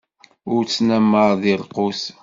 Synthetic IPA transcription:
ʊɾt͡sːnæmːəɾˤðɪlqʊs

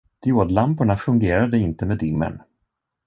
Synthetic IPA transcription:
d̪̥joːd̪lampʊɳafɵŋɡeːɾad̪əɪnt̪əmeːd̪ɪŋːə̰n

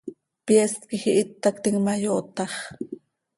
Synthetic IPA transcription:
pjest̪kixiʔit̪ːakt̪iŋmajoʔt̪ɑχ

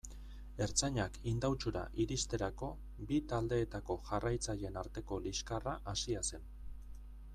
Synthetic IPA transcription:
e̞ɾt͡saɲakind̪awt͡ʃuɾa̰ʔiɾist̪e̞ɾako̞ | bit̪ald̪e̞ːt̪ako̞ʝarajt͡saʎe̞naɾt̪e̞ko̞liskaraʔasiase̞n

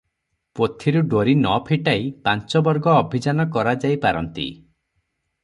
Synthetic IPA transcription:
pot̪ʰiɾuɖoɾinɔpʰiʈaipant͡ʃɔbɔɾɡɔːbʱid͡ʒanɔkɔɾad͡ʒajpaɾɔ̰nt̪ḭ

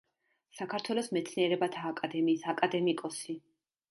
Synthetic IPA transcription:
sakʰaɾt̪ʰwɛlˠɔsmɛt̪sʰniɛɾɛbat̪ʰaːkʼad̪ɛmiːsakʼad̪ɛmikʼɔsi

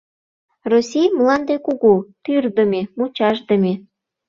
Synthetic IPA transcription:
rosʲijmlɑnd̪ekuɣut̪yrd̪əmʲemut͡ɕɑʒd̪əmʲe

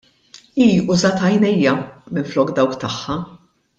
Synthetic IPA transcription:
iːʊzɐːt̪ɐjnɛjːɐmɪnflɔːkd̪ɐwkt̪ɐħːɐ

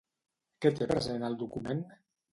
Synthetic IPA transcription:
ket̪epɾəzenalˠd̪ukumen

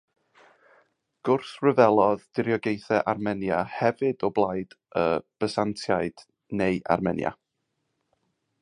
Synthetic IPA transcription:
ɡ̥ʊrθrəvɛlˠɔðd̥ɪɾjɔɡejθɛʔarmɛnjahɛvɨdɔblˠajd̥ə̰b̥əsantʰjaɨd̥ | nejʔa̰rmɛnja̰

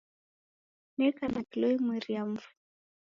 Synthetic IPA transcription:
nɛkanakilɔimwiɾiam̩vu̥

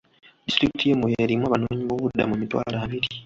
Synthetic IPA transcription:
distɾikitʰijemujeɾimwaːβanoːɲiβoβudːa̰mumitwa̰ːlaːβiɾi

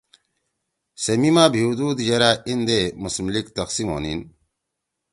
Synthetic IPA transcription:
semimaːbʱiud̪uːd̪jɐɾaʔind̪emusmlikt̪ɐqsimo̰ːnin

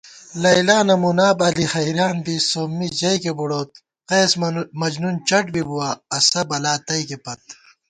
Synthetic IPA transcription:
lɐilaːnɐmunaːbɐlixɐiɾaːnd̪isoːmːid͡ʑɐikebuɽoːt̪̚ | qeːsmɐd͡ʑnunt͡ɕɐʈ̚bibuwaːɐsɐbɐlaːt̪ɐikepɐt̪̚

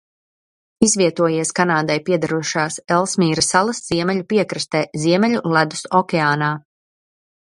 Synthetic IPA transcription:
izviɛt̪uɔjiɛskanaːd̪ajpiɛd̪aɾuɔʃaːsɛlˠsmiːɾasalˠɐsz̥iɛmɛlʲupiɛkɾɨst̪ɛːziɛmɛʎulˠæd̪u̥sɔkʲɛaːnaː

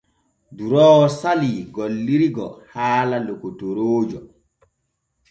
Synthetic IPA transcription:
duɾɔːwsaliɡolːiɾiɡɔ̰haːlalokutoɾoːd͡ʒɔ

